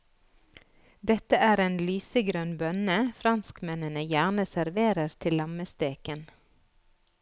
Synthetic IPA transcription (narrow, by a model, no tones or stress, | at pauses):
d̪ɛt̪əʔæːɾeːnlyːsəɡɾœnbœnəfɾɑnskmɛnənəjæːʁnəsæɾʋeːɾəɾt̪ʰɪlːɑməst̪eːkən